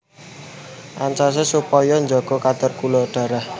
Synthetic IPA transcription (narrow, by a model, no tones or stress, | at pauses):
ʔant͡ʃɔs̬esupɔjɔnd͡ʒɔɡ̥ɔ̤kat̪ərkulɔɖ̥a̤ɾah